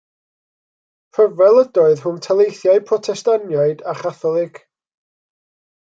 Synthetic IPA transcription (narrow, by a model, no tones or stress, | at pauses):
pʰəvɛlˠədɔɨðhʊmtʰalˠejθjaɨpʰrɔtʰɛstanjaɨdaχaθɔlˠɪɡ̥